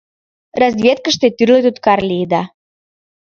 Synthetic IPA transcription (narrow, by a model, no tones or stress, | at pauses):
rɑzvʲet̪̚kə̆ʃt̪et̪yrlet̪ut̪kɑrlʲid̪ɑ